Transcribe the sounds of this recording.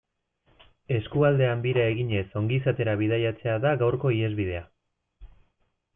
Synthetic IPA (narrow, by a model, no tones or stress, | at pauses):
e̞skuald̪e̞ambiɾae̞ɣiɲe̞so̞ŋɡisat̪e̞ɾaβið̞ajat͡se̞aðaɣawɾko̞ie̞zβið̞e̞a